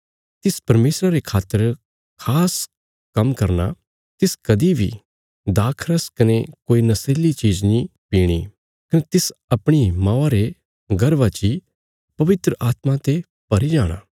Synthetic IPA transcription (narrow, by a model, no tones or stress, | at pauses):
t̪ɪspɐɾmeːsɾaɾekʰaːt̪ːəɾ | kʰaːs | kɐmkɐɾna̰ | t̪ɪskɐd̪ibʱḭ | d̪aːkʰɾəskɐnekoːinɐseːlit͡ʃiːd͡ʒnĩpiːɽ̃i | kɐnet̪ɪsɐpɽ̃imãːaɾe | ɡɐɾʋat͡ʃi | pɐʋɪt̪ɾəʔaːt̪mãt̪e | pɐɾid͡ʒaːɽ̃a̰ː